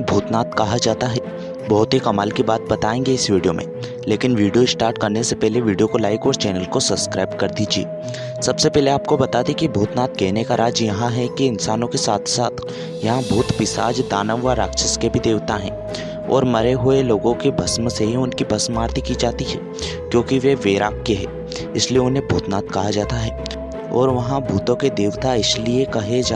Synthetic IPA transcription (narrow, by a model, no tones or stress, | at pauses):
bʱuːt̪naːt̪kɐɦad͡ʒaːt̪aɦɛː | bɐɦʊt̪ɦikɐmaːlkibaːt̪̚bɐt̪aːẽːŋɡeɪsʋiːɖijomʔḛ̃ | leːkɪnʋiːɖijoɪsʈaːɾʈkɐɾnesepɛɦleʋiːɖijokolaːɪkɔːɾt͡ʃɛːnəlkosɐbskɾaːɪbkɐɾd̪iːd͡ʒiḛː | sɐbsepɛɦleaːp̚kobɐt̪aːd̪ekibʱuːt̪naːt̪̚ɡeːnekaɾʔaːd͡ʒjɐɦãɦɛkiɪnsaːnõkesaːt̪ʰsaːt̪ʰ | jɐɦãbʱuːt̪pɪsa̰ːd͡ʒd̪aːnəʋːaɾaːkʃəskebʱid̪eːʋt̪aɦɛ̰̃ː | ɔ̰ːɾmɐɾeɦʊeloːɡõkebʱɐsmseɦiʊnkibʱɐsmaːɾt̪ʰikid͡ʒaːt̪iɦɛː | kjõːkiʋeʋeːɾaːkːeɦɛ̰ː | ɪslieʊnɦẽbʱuːt̪naːt̪kɐɦad͡ʒaːt̪aɦɛː | ɔ̰ːɾʋɐɦãbʱuːt̪õked̪eːʋt̪aɪsliekɐɦed͡ʒaː